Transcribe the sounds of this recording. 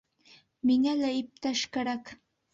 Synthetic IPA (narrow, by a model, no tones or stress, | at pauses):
mɪŋalaɪp̚t̪aʃkaɾak